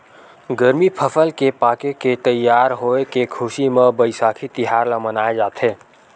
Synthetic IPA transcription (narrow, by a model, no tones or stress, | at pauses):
ɡəɾmipʰəpʰəlkepaːkeket̪əjːaːɾɦoekekʰʊsimebəjsaːkʰit̪ɪɦaɾlamənaːed͡ʒaːt̪ʰɦeː